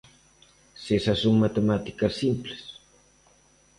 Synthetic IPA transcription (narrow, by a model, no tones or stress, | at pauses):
sesasoŋmat̪emat̪i̥kɐsimples